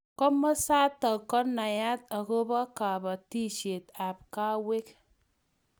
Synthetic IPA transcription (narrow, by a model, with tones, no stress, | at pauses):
kɔ˦ma˦sa˦tːa˨kɔ˦tna˨ja˦t̚a˨ko˦ba˦ka˨ba˨ti˦ʃe˨ta˨p̚ka˦we˦k